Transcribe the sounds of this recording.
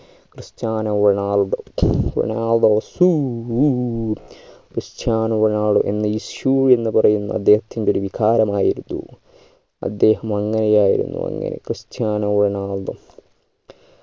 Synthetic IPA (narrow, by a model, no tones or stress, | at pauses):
krɨɕt͡ɕaːnɐɳaːɭðo̰ɳaːlðosu | krɨɕt͡ɕaːnɐʋɳaːɭɨʔe̞̰nːɐisjue̞nːɨpɐrɐjunːṵɐ̰d̪ːe̞ːhɐt̪ːindo̞ɾuʋikʰaːɾɐmaːjiɾunːṵ | ɐ̰d̪ːe̞ːhɐmɐŋːɐnejaːjḭɾṵnːṵɐ̰ŋːɐ̰nḛkrɨɕt͡ɕaːnɐɳaːldo̰